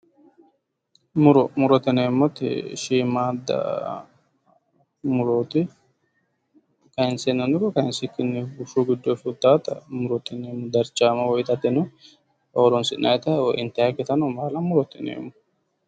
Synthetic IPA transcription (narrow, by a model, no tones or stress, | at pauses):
mʊɾɔmʊɾɔt̪ɪneːmːɔt̪ɪ̰ʃiːmaːd̪ɐ̰ | mʊɾoːt̪ɪ | kɐɪnsenːɐnʊkɔkɐɪnsɪkːɪnːɪbʊʃuɡɪd̪ːofʊt̪ːaːt̪ɐ̰mʊɾɔt̪ɪneːmːɔd̪ɐɾt͡ʃːaːmɐwɔjt̪ɐt̪ːɪnɛ | oːɾɔnsɪnɐjt̪ɐwɔʔɪnt̪ɛjakːɪt̪ɐnɔmaːlɐmʊɾɔt̪ɪnḛːmːɔ